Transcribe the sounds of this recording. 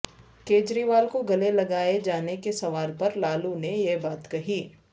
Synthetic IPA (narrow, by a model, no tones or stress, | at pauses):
keːd͡ʒɾiːʋaːlkoɡɐlelɐɡaːed͡ʒaːnekesɐʋaːlpɐɾlaːlunejebaːt̪kɐɦiː